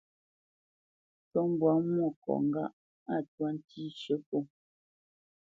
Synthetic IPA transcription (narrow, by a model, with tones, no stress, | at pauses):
t͡sɔ˦m̩˦bwa˨˦mwɔ˦˨kɔ̰˨ŋ̩˦ɡa˦ʔ | a˦˨twa˦n̩˦tʰi˦ʃə˦po˦˨